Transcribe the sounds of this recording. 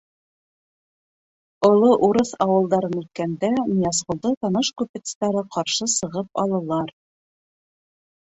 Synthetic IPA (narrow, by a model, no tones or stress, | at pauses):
ŏlˠoʔuɾɤθɑwɤ̆lˠd̪ɑɾɤnʉt̪̚kænd̪æmʲijɑsʁŏlˠd̪ɤt̪ɑnɤʃkʉpɘ̆t̪st̪æɾɤqɑɾʃɤsɤ̆ʁɤp̚ɑ̰lˠɤ̆lˠɑɾ